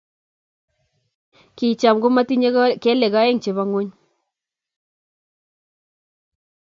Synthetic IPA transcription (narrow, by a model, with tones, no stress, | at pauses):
ki˨t͡ʃa˨mɡʊ˦ma˦ti˦ɲ˦ke˦le˨ɡa˦je˦ŋt͡ʃe˨βa˦ŋu˦ɲ